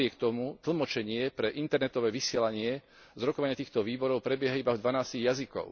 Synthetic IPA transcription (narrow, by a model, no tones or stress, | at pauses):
ɪɛkt̪ɔmut̪l̩mɔt͡ʃɛɲɪɛpɾɛʔint̪ɛɾnɛt̪ɔʋɛːʋisɪɛlaɲɪɛ | zɾɔkɔʋaɲɪat̪iːxt̪ɔʋiːbɔɾɔʊpɾɛbɪɛɦaibavd̪ʋanaːsciɣjazikɔ̰ʊ